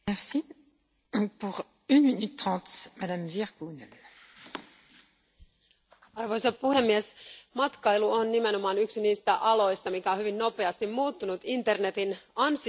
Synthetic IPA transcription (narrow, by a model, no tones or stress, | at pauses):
ɛʁsi | puʁ | ynminyt̪ːχɑ̃t̪mad̪amviʁɡunɛl | ɑrʋo̞jsɑpuhe̞mːiesmɑt̪kɑjluonːime̞no̞mɑːnyksiniːst̪æʔɑlo̞jst̪ɑmikæonhyʋinːo̞pe̞ɑst̪immuːt̪ːunut̪int̪e̞rne̞t̪inɑns